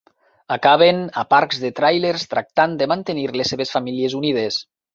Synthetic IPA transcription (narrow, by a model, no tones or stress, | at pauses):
akaβenapaɾkzðet̪ɾajleɾst̪ɾak̚t̪and̪əmant̪eniɾleseβesfamiliezunið̞es